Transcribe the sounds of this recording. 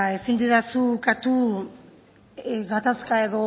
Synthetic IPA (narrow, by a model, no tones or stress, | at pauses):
e̞sind̪iðasukat̪u | ɡat̪askae̞ðo̞